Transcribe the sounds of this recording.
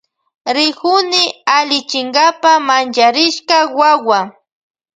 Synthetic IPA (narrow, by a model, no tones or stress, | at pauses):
ɾɪkʊnɪalɪt͡ʃɪŋɡapamant͡ʃaɾɪʃkawawa